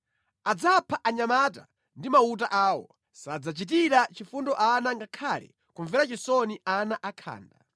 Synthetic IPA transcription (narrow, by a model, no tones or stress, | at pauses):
ad͡zapʰaʔaɲamata̰ | ndimaut̬aʔaːwɔ̰ | sad͡zat͡ʃit̬iɾat͡ʃifundɔʔanaŋɡakʰalɛ̰ | kuɱvɛɾat͡ʃisɔnianaʔakʰa̰ːnda